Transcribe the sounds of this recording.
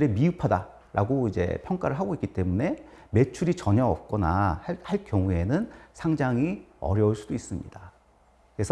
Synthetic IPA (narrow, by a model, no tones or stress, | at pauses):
ɾemiupʰada | ɾʔaɡoid͡ʑe̞̰pʰjʌŋk͈aɾɯɭɦaɡoik͈it͈e̞mune̞me̞t͡ɕʰuɾit͡ɕʌɲʌʌp̚k͈ʌnahaɭhaɭk͈jʌŋue̞nɯnsʰaŋd͡ʑaŋiʌ̰ɾjʌuɭs͈ud̥ois͈ɯmɲḭda | kkɯɾe̞sʰʌ